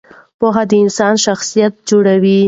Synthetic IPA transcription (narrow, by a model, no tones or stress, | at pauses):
poɦad̪əɪnsɑnʃaxsijat̪̚d͡ʒoɽawi